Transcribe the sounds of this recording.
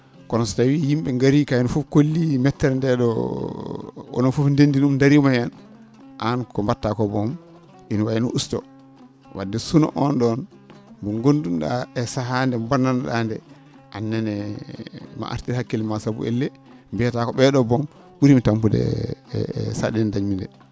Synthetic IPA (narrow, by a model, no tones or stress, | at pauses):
kɔnɔsɔ̥tawijimɓɛŋɡaɾikajnɔfufkolːimɛtːɛɾndɛɗɔ̰ | ɔ̰nɔnfufndendinumdaɾimajan | ʔankɔmbatːakɔbɔm | inwajnuʔustɔ̰ | wa̰dːɛsunɔ̰ʔɔnɗɔn | buɡondumɗa̰ɛsaɦandɛmbananɗandɛ | ʔanːɛnɛ | ma̰ʔa̰ɾtiɾhakːilimasabṵʔḛlːɛ | mbiatakɔɓɛɗɔbɔm | ɓuɾimitampudɛ̰ | saɗɛnndaɲmindɛ